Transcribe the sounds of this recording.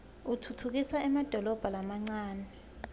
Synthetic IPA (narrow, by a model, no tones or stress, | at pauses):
utʰutʰuk̬isaɛmad̥ʱɔlɔb̥ʱalamaŋ͡ǀaːnɛ